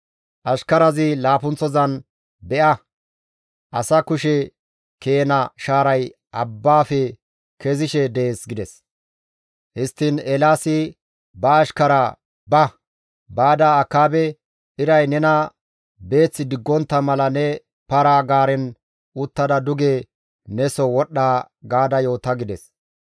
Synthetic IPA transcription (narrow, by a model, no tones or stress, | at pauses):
ʔɐʃkɐɾɐzɪlaːpʊnt͡sːɔzɐn | bɛʔɐ | ʔɐsɐkʊʃɛ | keːnɐʃaːɾɐj | ʔɐbːaːfɛ | kɛzɪʃɛd̪ɛeeːsɡɪd̪ɛs | hɪst̪ːɪnɛlaːsɪ | bɐːʃkɐɾɐ | bɐ | baːd̪aːkːaːbɛ | ɪɾɐjnɛnɐ | be̞ːt͡sːɪd̪ɪɡːɔnt̪ːɐmɐlɐnɛ | pɐɾaːɡaːɾɛn | ʊt̪ːɐd̪ɐd̪ʊɡeː | nɛsɔwɔɗːaː | ɡaːd̪ɐjo̞ːt̪ɐɡɪd̪ɛs